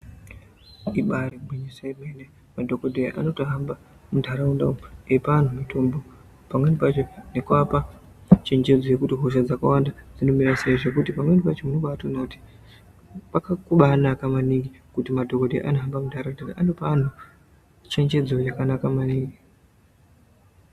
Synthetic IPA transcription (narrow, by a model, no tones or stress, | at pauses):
iɓaribʱwiɲisaimeine | madʱo̞kodʱejaʔa̰no̞toɦamba | mudʱaɾaundauepan̤umitʰo̞mbo̞ | pamwe̞nipat͡ʃonekwapa | t͡ʃe̞ɲd͡ʒe̞d͡zo̞jekutiɦoʃad͡zakawandad͡zino̞miɾaseiʐe̞kutipamwe̞nipat͡ʃo̞munoɓatonati̥ | pakakuɓanakamaniŋɡi | kutimadʱo̞kodḛʔanoɦambamundʱaraundaɾaʔanopan̤u | t͡ʃe̞ɲd͡ʒe̞d͡zo̞jakanakamaniːŋɡi